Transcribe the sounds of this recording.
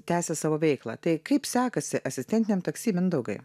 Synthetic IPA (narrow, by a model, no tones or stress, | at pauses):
t̪ʲæːsʲɛsɑːʋoːʋʲɛɪklˠɑ̰ːt̪ɐɪkɐɪpsʲæːkɐsʲɪʔɐsʲɪsʲt̪ʲɛnt̪ɪnʲeɛmt̪ɐksʲiːmʲɪnd̪ɐʊɡɐ̰ɪ